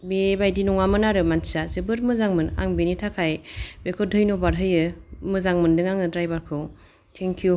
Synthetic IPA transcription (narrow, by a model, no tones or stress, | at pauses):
bebajdinɔŋamɯnaɾɯmanʰi̥sazɯbɯɾmɯzaŋmɯna̰ŋbenitʰakʰajbekʰɔdʱɯjnɔbaɾɦɯjɯmɯzaŋmɯndɯŋaŋɯdɾajbaɾkʰɯw | tʰeŋkʰju